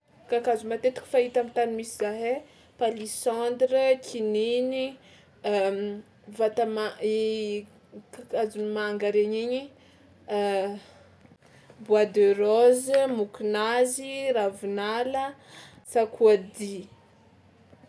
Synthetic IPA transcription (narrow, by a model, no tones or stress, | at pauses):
kakazumat̪et̪u̥ki̥fait̪amit̪animisizaɦe | palisãnd̪ɾəkʰinini | vat̪amai | kakazunimaːŋɡaɾeɲiɲi | buad̪øɾozəmukinaziravinalə | sakʰuad̪i